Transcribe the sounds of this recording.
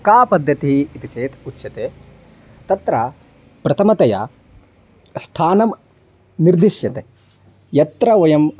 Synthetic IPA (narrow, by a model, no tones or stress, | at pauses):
kaːpɐd̪ʱːɐt̪iɦiit̪it͡ʃeːt̪ʰutːʃɐt̪eː | t̪ɐt̪ɾɐ | pɾɐt̪ʰɐmɐt̪ɐja̰ː | st̪ʰaːnɐm | niɾd̪iʂjɐt̪e | jɐt̪ɾɐʋɐjɐm